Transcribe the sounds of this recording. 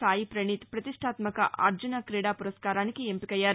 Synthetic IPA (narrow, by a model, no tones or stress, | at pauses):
saːjipɾɐɳit̪pɾɐt̪iʂʈʰaːt̪mɐkɐ̰ʔɐ̰ɾd͡ʒunɐkɾiːɽaːpuɾɐskaːɾaːnikiempikɐjːaːɾu